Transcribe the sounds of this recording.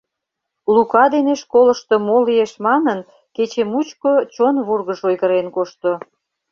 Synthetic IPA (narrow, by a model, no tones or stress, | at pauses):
lukɑd̪eneʃkoləʃt̪ŏmolieʃmɑnən | ket͡ɕemut͡ɕkot͡ɕonβurɣəʃojɣəɾenkoʃt̪o